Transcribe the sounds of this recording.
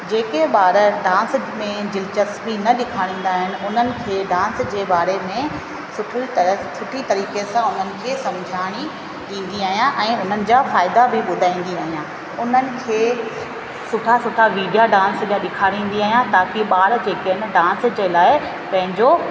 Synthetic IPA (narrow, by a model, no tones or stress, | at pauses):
d͡ʑeːkẽɓaːɾɖãːnsmẽd͡ʑɪlt͡ɕəsbinɐɗɪkʰaːɽ̃ĩːnd̪aːɦɪnɪ̆ʊn̤ənɪ̆kʰeːɖãːnsd͡ʑeːbaːɾemẽ | sʊʈʰit̪sʊʈʰit̪ɐɾiːkesãʊn̤ənɪ̆kʰeːsɐ̃md͡ʑʱaːɽ̃i | ɗĩːn̆d̪iaːɦijãʔɛ̃ːʊn̤ənɪ̆d͡ʑaːfaːɪd̪abʱɪɓʊd̪ʱaːĩːn̆d̪iaːɦijãː | ʊn̤ənɪ̆kʰeː | sʊʈʰasʊʈʰaʋiːɖijaɖãːnsbaɗɪkʰaːɽĩːn̆d̪iaːɦijãt̪aːkiɓaːɾd͡ʑeːkənɪ̆ɖãːnsd͡ʑeːlaːɪ | pɐ̃ɦɪ̃ɲd͡ʑo